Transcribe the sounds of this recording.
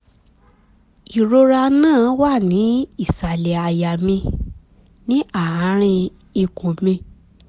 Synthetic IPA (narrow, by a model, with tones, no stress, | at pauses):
i˨ɾo˧ɾa˧nãː˦˨˦wa˦˨nĩ˨˦i˦˨sa˨lɛ˨a˨ja˨mĩ˧ | nĩ˦a˦˨a˨˦ɾ̃ĩ˧ | i˧ko˨mĩ˧